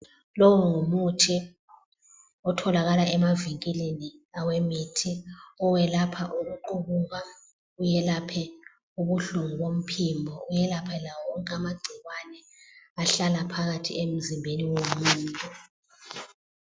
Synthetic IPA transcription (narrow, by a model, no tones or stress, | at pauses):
lɔwɔŋumutʰi | ɔtʰɔlaɣalaʔɛmaviŋkʼileniawemitʰiɔwɛlapʰaʔuɣuǃuβuŋa | ujɛlapʰɛ | uβuɬuŋuɣom̩pʰimbʱɔujɛlapʰɛlawɔŋkʼamaɡ͡ǀʱiɣwanɛ | aɬalapʰaɣatʰḭem̩zimbʱeniwomuːntʼu